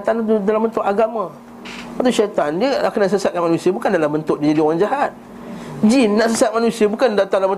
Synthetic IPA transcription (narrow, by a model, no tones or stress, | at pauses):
t̪anudalambənt̪ʊʔaɡamã | pat̪uʃat̪andiəakanaʔsəsat̪̚kanmanusiəbukandalambənt̪ʊʔ̚did͡ʒadiɔɣaŋd͡ʒaɦat̪̚ | d͡ʒinːaʔsəsat̪̚manusiəbukandat̪alabə